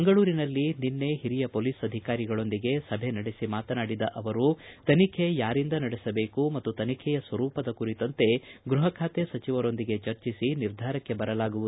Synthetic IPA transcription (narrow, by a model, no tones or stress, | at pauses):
ɐŋɡɐɭuːɾinɐlːininːe̞ɦiɾijɐpoːliːsɐd̪ʱikaːɾiɡɐɭo̞nd̪iɡe̞sɐbʱenɐɽesimaːt̪ɐnaːɽid̪ɐʔɐʋɐɾut̪ɐnikʰe̞jaːɾind̪ɐnɐɽesɐbeːkumɐt̪ːut̪ɐnikʰɛjɐsʋɐɾuːpɐd̪ɐkuɾit̪ɐnt̪e̞ɡɾuɦɐkʰaːt̪esɐt͡ʃiʋɐɾo̞nd̪iɡe̞t͡ʃɐɾt͡ʃisiniɾd̪ʱaːɾɐkːe̞bɐɾɐlaːɡuʋuu